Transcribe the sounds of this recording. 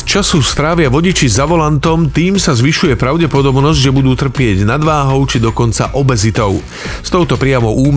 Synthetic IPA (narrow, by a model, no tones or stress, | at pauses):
t͡ʃasust̪ɾaːʋɪaʋɔɟit͡ʃizaʋɔlant̪ɔmt̪iːmsazʋiʃujɛpɾaʊɟɛpɔd̪ɔbnɔzɟʒɛbud̪uːt̪r̩pɪɛɟnad̪ʋaːɦɔʊt͡ʃid̪ɔkɔnt͡sa̰ʔɔbɛzit̪ɔʊ | st̪ɔʊt̪ɔpɾɪamɔʔuːm